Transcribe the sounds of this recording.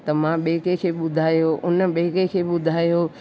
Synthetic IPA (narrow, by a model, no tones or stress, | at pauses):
t̪ɐmãɓeːkekʰeːɓʊd̪ʱaːjoʔʊnə̆ɓeːkekʰeːɓʊd̪ʱaːjoː